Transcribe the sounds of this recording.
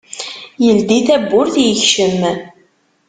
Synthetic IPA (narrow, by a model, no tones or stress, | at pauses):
jəld̪iθæbːʊɾθjəçʃəm